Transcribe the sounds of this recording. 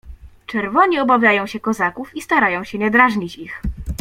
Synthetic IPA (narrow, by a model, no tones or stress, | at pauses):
t͡ʂɛɾvɔɲiɔbavʲjajɔ̃w̃ɕɛkɔzakufist̪aɾajɔ̃w̃ɕɛɲɛd̪ɾaʐɲit͡ɕix